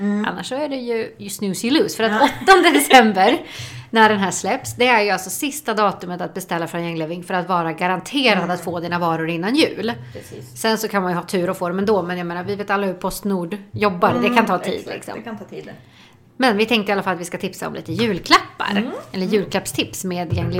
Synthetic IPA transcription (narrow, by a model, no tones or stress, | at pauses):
a̰nːaʂːɔæɖɛjɵjsnʉːsɪlʉːsfœɾat̪ɔt̪ːɔnd̪əd̪ɛsɛmbəɾnæɖɛnɦæːʂlɛpsd̪ɛæɾjɵalsɔsɪst̪ad̪ɑːt̪ɵmət̪at̪̚bɛst̪ɛlːafɾɔnjɛŋːleːvɪŋfœɾat̪vɑːɾaɡaɾant̪ʰeːɾad̪at̪foːd̪iːnavɑːɾʊɾɪnːanjʉ̟ːlːsɛnsɔkʰanmanjɵhɑːt̪ʰʉ̟ːɾɔfoːd̪ɔmɛnd̪oːmɛnjameːnaɾvɪveːt̪alːahʉɾpʰɔst̪nuːɖjɔbːaɾd̪ɛkʰant̪ʰɑːt̪ʰḭːd̪lɪ̰ksɔ̰mm | mɛnvɪt̪ʰɛŋkt̪əɪalːafalat̪vɪskat̪ʰɪpsaɔ̰mlḭːt̪əjʉ̟ːlkʰlapːa̰ɾɛlːəɾjʉ̟ːlkʰlapst̪ʰɪpsmeːd̪jɛŋːlɪ